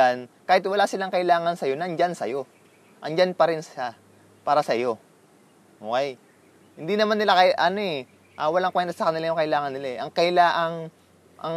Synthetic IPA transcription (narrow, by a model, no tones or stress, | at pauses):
ankaːhɪt̪̚wɐlaːsɪlaŋkɐʔɪlaːŋɐnsɐjo̞nɐŋd͡ʒansɐ̰jo̞ | ʔɐŋd͡ʒanpɐɾɪnsɐ | paːɾɐsɐjo̞ | ʔoːkɛj | hɪnd̪inɐmanːɪlakɐʔɐno̞ʔɛ | ʔɐːwɐlaŋkwɛnt̪ɐsɐkɐnɪlajʊŋkɐʔɪlaːŋɐnːɪlaɛʔɐŋkɐɪlaːʔɐŋ | ʔɐ̰ŋ